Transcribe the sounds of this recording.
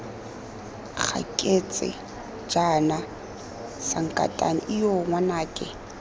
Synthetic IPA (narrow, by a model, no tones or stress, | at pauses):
k͡xʰa̰kʼet͡sʼɪ̰ | d͡ʒana | saŋ̩kʼa̰tʼa̰niʔɪjoŋwanaːkʼɛ